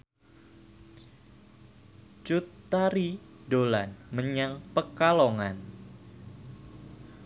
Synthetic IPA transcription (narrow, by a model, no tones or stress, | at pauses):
t͡ʃut̪ːaɾidolanməɲaŋpəkalɔŋan